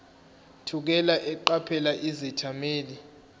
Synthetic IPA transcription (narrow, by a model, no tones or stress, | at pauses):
tʰuk̬ɛlaʔɛǃapʰɛlaʔizɛtʰameːli